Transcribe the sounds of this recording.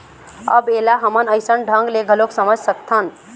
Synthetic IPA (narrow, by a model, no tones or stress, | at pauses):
ə̰belaɦəmənəɪsənɖʱə̃ŋɡleɡʱəloksəməd͡ʒʱsəkt̪ʰən